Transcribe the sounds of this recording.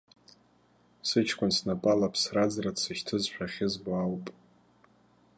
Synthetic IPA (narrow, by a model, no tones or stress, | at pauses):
sɨt͡ʃʰkʷʰʼʊnsnapʼalapʰsrad͡zrat͡sʰɨʃtʰɨzʃᶣaχʲɪzbawpʼ